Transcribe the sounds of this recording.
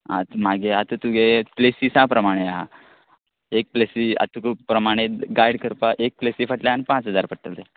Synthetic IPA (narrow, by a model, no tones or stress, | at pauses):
a̰t̪maɡeat̪ət̪uɡeplesiːsãpɾəmaɽ̃eaɦa̰ | ek̚plesia̰t̪ukəpɾəmaɽ̃eɡajɽkʰəɾpaʔek̚plesiːfəʈljaanipãt͡sɦəd͡zaɾpəʈ̚t̪əlt̪e